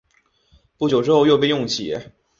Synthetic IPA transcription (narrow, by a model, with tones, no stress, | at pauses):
pu˥˩t͡ɕjo˨˩ʊʈ͡ʂɻ̩˥xo˥˧ʊjo˧p̬e˥˧ɪjʊ˥˩ŋt͡ɕʰḭ˨˩˦